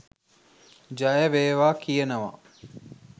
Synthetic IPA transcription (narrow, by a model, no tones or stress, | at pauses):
d͡ʒajəʋeːʋaːkijənəʋa̰